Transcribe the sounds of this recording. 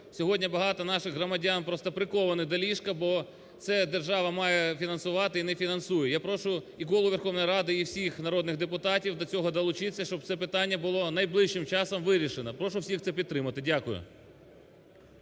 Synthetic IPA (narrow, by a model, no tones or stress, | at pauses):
sʲɔɦɔdʲnʲɐbɐɦɑt̪ɔnɑʃɪɣɦrɔmɐdʲanpɾɔst̪ɐpɾɪkɔʋɐnɪd̪ɐlʲiʃkɐbɔ | t̪sɛd̪erʒɑʋɐmɑjɛfʲinɐnsʊʋɑt̪ɪinɛfʲinɐnsujɛjapɾɔʃʊ | ikɔlˠʊʋʲerxɔwnɔjɾɑd̪ɪiwsʲixnɐɾɔd̪nɪɣd̪epʊt̪ɑtʲiwd̪ɐt͡sʲɔɦɔd̪ɐlˠʊt͡ʃɪt͡sʲːɐʃt͡ʃɔb̚t̪sɛpɪt̪ɑnʲːɐbʊlˠɔnɐjblˠɪʃt͡ʃɪmt͡ʃɑsɐmʋɪɾʲiʃenɐpɾɔʃʊwsʲixt̪sɛpʲid̪t̪ɾɪmɐt̪ɪdʲakʊjʊ̰